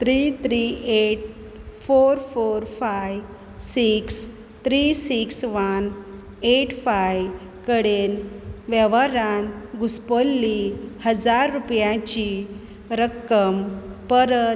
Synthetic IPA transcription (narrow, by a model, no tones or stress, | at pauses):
t̪ɾit̪ɾieʈ̚ | foɾfoɾfaj | siks | t̪ɾisiksʋan | eʈʰfaj | kəɽenʋɛʋaɾanɡuspəlːihəd͡zaɾːupjãt͡ɕi | ɾəkːəmpəɾə